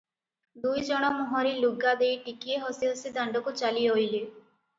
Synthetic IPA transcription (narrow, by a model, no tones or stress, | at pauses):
d̪ujd͡ʒɔɽ̃ɔmɔɦɔɾiluɡːad̪ejʈikieɦɔsiɦɔsid̪aɳɖɔkut͡ʃaliojle